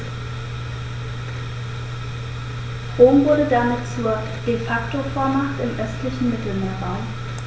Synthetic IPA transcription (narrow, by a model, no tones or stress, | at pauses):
ʁoːmvʊɐɾədamɪtt͡suːɐ | d̥efaktofoːɐmaχtɪmʔœstlɪçn̩mɪtl̩meːɐbaʊ